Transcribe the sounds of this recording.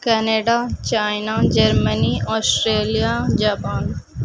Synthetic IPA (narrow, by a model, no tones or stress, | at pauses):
kɛneːɖat͡ʃaːjnad͡ʒɐɾməniɔːsʈɾeːlijad͡ʒaːpaːn